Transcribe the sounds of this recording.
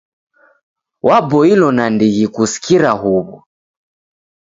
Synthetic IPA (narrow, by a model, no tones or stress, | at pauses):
wʔabɔilɔnandiɣikusi̥kiɾaɦuβɔ